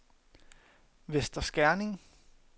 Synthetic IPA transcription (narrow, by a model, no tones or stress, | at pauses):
ʋesd̥ɐsɡ̥æɐne̝ŋ